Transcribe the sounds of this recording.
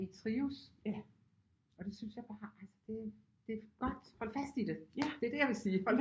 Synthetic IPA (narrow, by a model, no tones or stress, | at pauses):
it͡sʰʁiːus | ɒ̽d̥e̝synsjɑ̈ɪb̥ɑ̈ːælsə̥d̥e̝ | d̥e̝ɡ̥ɒ̽d̥hɒ̽l̰fæsd̥id̥e̝æd̥e̝æɐd̥e̝jäʋe̝siːhɒl̰